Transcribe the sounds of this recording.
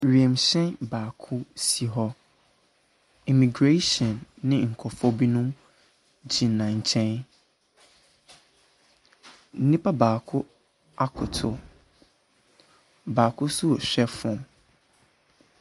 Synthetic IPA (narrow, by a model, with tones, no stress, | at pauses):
ɾi˨ɛ̃˨mɕɛ̃˦nbaː˨kʰʊ˦si˨ɦɔ˦ | i˨mĩ˨ɡɾe˦ʃɔ̃˨nːɪ̃˦ŋ̩˨kʰɔ˨fɔ˦bi˦nũ˦m | d͡ʑĩ˨nã˨ɲ̩˨t͡ɕʰɛ̃˦n | n̩˦nĩ˦pʰa˦baː˨kʰʊ˦ | a˦kʰʊ˨tʰʊ˨ | baː˨kʰʊ˦sʊ˦˨ɕᶣɛ˦fʊ̃˨m